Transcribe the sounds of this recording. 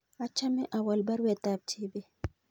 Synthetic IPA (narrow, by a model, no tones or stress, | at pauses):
at͡ʃːamɛʔawalbaɾwɛtab̚t͡ʃʰibɛ